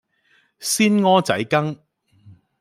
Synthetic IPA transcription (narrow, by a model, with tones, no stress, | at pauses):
siː˥nŋɔː˥t͡sɐ̰˨˥jkɐ˥ŋ